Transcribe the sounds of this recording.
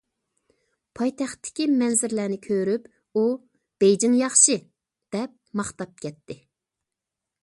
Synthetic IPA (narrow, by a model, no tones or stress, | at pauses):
pʰɑjt̪ʰɛχt̪ːɪ̥kʲimɛnzɪɾlæːnɪkʲʰøɾyp | u | b̥ejd͡ʒɪŋjɑχʃɨ | d̪̥ɛp̚mɑχt̪ɑp̚kʲɛt̪ʰːɪ